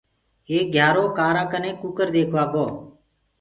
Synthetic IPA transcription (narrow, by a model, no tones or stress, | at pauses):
eːk̚ɡʱjaːɾoːkaːɾãːkənẽːkukəɾd̪eːkʰʋaːkoː